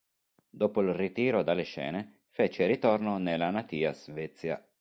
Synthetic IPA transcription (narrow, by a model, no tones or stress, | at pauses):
d̪oːpoilrit̪iːɾod̪alːeʃɛ̰ːne | fɛt͡ʃeɾit̪ornonelːanat̪iːa̰zvɛt̪sːja̰